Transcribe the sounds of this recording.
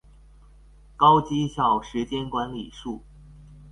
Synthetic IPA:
kɑ˥ʊt͡ɕi˥ɕjɑ˨˩ʊʂɻ̩˧˥t͡ɕjɛ˥nkwa˧˥nli˨˩ʂu˥˩

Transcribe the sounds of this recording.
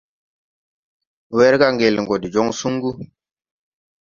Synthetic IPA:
wɛ˦ɾka˦ŋɡe˨lŋɡo˨di˨d͡ʒo˦ŋsu˦ŋɡu˦

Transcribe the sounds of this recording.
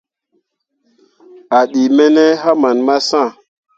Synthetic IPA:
a˨ɗi˨mɛ˦nɛ˦ɦa˦ma˨nma˦sã˦˨

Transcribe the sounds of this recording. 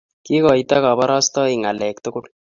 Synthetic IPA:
ki˦kɔ˨it̪a˦ka˨ba˦ɾɑ˦st̪ɔ˦i˨ŋa˨lɛ˨kt̪ʊ˦kʊ˦l

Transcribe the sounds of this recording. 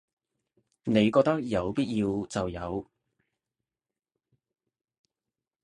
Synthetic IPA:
ne˨˧jkɔː˧k̚t̪ɐ˥k̚jɐ˨˧wpiː˥t̚jiː˧wt͡sɐ˨wjɐ˨˧w

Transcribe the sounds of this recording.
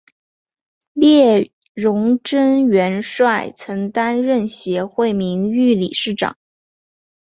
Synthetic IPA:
ljɛ˥˩ | ɻʊ˧˥ŋʈ͡ʂə˥nɥɛ˧˥nʂwa˥˩ɪt͡sʰɤ˧˥ŋt̪a˥nɻə˥˩nɕjɛ˧˥xwe˥˩ɪmi˧˥ŋy˥˩lḭ˨˩ʂɻ̩˥˩ʈ͡ʂɑ̰˨˩˦ŋ

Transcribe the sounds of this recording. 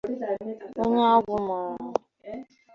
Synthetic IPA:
o˦ɲe˦a˦ɡʷʊ˦ma˨ɾa˦

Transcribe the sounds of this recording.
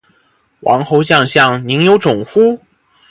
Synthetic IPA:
wʔɑ̰˧˥ŋxo˧˥ʊɕjɑ˥˧ŋɕjɑ˥˩ŋni˧˥ŋjo˧˥ʊʈ͡ʂʊ˨˩ŋxu˥

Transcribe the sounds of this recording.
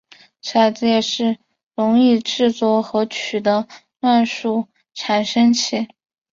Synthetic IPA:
ʂʰa˨˩t͡sjɛ˥˧ʂɻ̩˥˩ | ɻʊ˧˥ŋi˥˧ʈ͡ʂɻ̩˥˧t͡swɔ˥˩xɤ˧˥t͡ɕʰy˨˩d̪ə˦lwa˥˧nʂu˥˩ | ʈ͡ʂʰa˨˩nʂɤ˥ŋt͡ɕʰi˥˩

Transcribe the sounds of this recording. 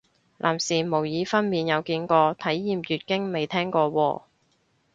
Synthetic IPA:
lʔa̰ː˨˩msiː˨˩mo˨˩wjiː˨˧fɐ˥nmiː˨˧njɐ˨˧wkiː˧nkɔː˧t̪ʰɐ˨˥jːiː˨mjyː˨t̚kɪ˥ŋme˨jt̪ʰɛː˥ŋkɔː˧wɔ̰ː˧

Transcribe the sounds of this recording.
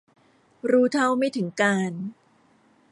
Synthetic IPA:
ɾuː˦˥t̪ʰa˥˩wma˥˩jt̪ʰɯ˩˦ŋkaː˧n

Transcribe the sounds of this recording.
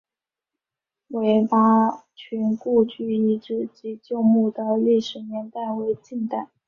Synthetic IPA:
we˧˥ɪfa˥ | t͡ɕʰy˧˥nku˥˧t͡ɕy˥˩i˧˥ʈ͡ʂɻ̩˥˩t͡ɕi˧˥t͡ɕjo˥˧ʊmu˥˩d̪ə˩li˥˩ʂɻ̩˨˧˩njɛ˧˥nt̪a˥˩ɪwe˧˥ɪt͡ɕi˥˩nt̪a˥˩˦

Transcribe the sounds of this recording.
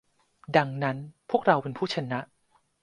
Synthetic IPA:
da˧ŋna˦˥npʰu˥˩ək̚ɾa˧wpe˧npʰuː˥˩t͡ɕʰa˧na˦˥ʔ

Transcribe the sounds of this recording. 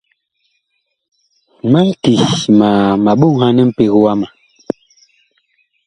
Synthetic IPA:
ma˦lti˨ma˨ma˨ɓu˦ŋha˦nɛ˦m̩˦pe˨ɣwa˦ma˨

